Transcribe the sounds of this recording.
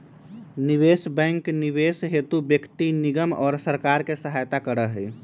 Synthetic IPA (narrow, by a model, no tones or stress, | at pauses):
niʋesbɛ̃ŋkniʋesɦet̪ubjəkt̪iniɡəmɔ̰ːɾsəɾkaɾkesəɦajt̪akəɾəɦəj